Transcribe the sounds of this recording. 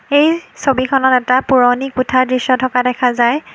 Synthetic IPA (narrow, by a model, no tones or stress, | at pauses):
ejsobikʰɔnɔtɛtapuɹownikutʰaɹdɹisːɔtʰɔkadɛkʰazaj